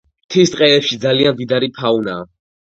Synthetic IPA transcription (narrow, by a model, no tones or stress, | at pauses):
mt̪ʰist̪ʼqʼɛɛpʃid̪zaliand̪id̪aɾipʰaunaː